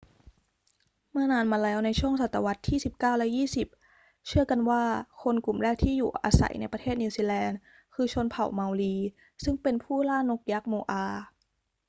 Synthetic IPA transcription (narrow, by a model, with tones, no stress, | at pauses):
mɯ˥˩ɐnaː˧nmaː˧lɛː˦˥wna˧jt͡ɕʰu˥˩əŋsa˨˩t̪ːa˧wa˦˥t̪ʰːiː˥˩si˨˩p̚kaː˥˩wlɛ˦˥jiː˥˩si˨˩p̚ | t͡ɕʰɯ˥˩əka˧nwaː˥˩kʰo˧nku˨˩mɾɛː˥˩k̚t̪ʰiː˥˩juː˨˩ʔa̰ː˧sa̰˨˩˦jna˧jpɾa˧t̪ʰeː˥˩t̪̚niː˧siː˧lɛː˧n | kʰɯː˧t͡ɕʰo˧npʰa˨˩wma˧wliː˧ | sɯ˥˩ŋpe˧npʰuː˥˩laː˥˩no˦˥k̚ja˦˥k̚moː˧ʔaː˧